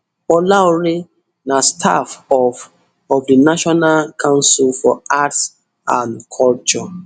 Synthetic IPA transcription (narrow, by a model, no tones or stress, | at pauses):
ɔlaɔɹe | nastʰafɔf | ɔfdinaʃɔnalkʰãʊ̃nsilfɔats | ãnkʰɔlt͡ʃɔ